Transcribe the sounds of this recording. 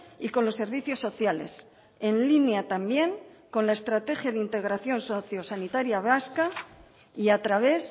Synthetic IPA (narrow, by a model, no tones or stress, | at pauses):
iko̞nlo̞sːe̞ɾβiθjo̞sːo̞θjale̞̰s | e̞nlinjat̪ambje̞ŋko̞nlaest̪ɾat̪e̞xjaðint̪e̞ɣ̞ɾaθjo̞nsoθjo̞sanit̪aɾjaβaska | iat̪ɾaβ̞e̞s